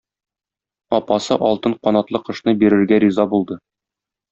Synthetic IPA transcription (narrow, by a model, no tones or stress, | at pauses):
ɒpɑsɤʔɒlˠt̪ɤɴqɒnɑt̪lˠɤqɤ̆ʃnɤbiɾɘ̆ɾɡæɾʲizɑbulˠd̪ɤ